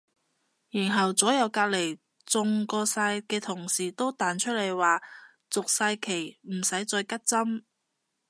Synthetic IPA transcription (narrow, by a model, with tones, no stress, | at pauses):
jiː˨˩nɦɐ˨wt͡sɔː˨˥jɐ˨˧wkaː˧k̚le˨˩j | t͡sʊ˨˧ŋkɔː˧saː˧jkɛː˧t̪ʰʊ˨˩ŋsiː˨˩t̪o˥wt̪aː˨nt͡ʃʰɵ˥t̚le˨˩jwaː˨˩ | t͡sʊ˨k̚saː˧jkʰe˨˩jm̩˨˩sɐ˨˥jt͡sɔː˧jkɐ˥t̚t͡sɐ˥m